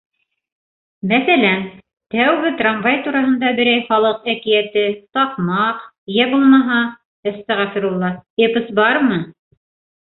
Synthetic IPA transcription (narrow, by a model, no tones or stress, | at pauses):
mæθælæn | t̪æwɡɘt̪ramvajt̪uɾɑɦɤ̆nd̪ɑbɘ̆ɾæjχɑlˠɤqækijæt̪ɘt̪ɑqmɑq | jæbulˠmɑɦɑ | ɤ̆st̪ɑʁɑfĭɾulˠːɑepɤsbɑɾmɤ